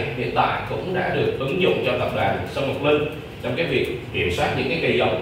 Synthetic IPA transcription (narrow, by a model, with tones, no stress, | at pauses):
hḭ˧˨ənt̪a̰ː˧˨jkʊ̰˧˥ŋ͡mɗa̰ː˧˥ɗɨ˨˩ək̚ʔɨ˨˦ŋzʊ̰˧˨ŋ͡mt͡ɕɔ˧wt̪ə˨˩p̚ɗwa̰ː˨˩nsɔ˧wmo˨˩t̚lɨ˧ŋ | t͡ɕɔ˧wŋ͡mkaː˨˦jvi˨˩ək̚ki˧˩əmswaː˦˥t̚ɲɨ̰˧˥ŋkaː˨˦jkə˧˩jzə˨˦wŋ͡m